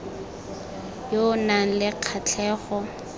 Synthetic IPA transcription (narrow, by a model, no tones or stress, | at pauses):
jonaŋ̩lɪq͡χʰat͡ɬʰɛːɣɔ